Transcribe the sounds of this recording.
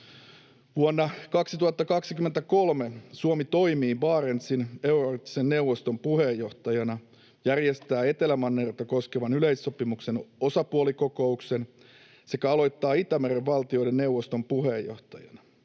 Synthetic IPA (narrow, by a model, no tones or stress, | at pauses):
ʋuonːɑkɑksit̪uhɑt̪ːɑkɑksikymːent̪æko̞lme̞suomit̪o̞imiːʋɑːɾent̪sine̞urort̪ːi̥senːe̞wʋːost̪o̞mpuhe̞jːo̞ht̪ɑjɑnɑ | jærjest̪æːe̞t̪e̞læmɑnːert̪ɑko̞ske̞ʋɑnyleisːo̞pimukse̞no̞sɑpuoliko̞ko̞ukse̞n | se̞kæɑlo̞jt̪ːɑːit̪æmereʋʋɑlt̪io̞jde̞nne̞wʋost̪o̞mpuɦejːo̞̰ht̪ɑjɑ̰nɑ